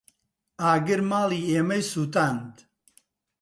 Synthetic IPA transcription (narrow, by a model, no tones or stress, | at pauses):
aːɡɨɾmaːliːeːmɐjsuːt̪aːnd̪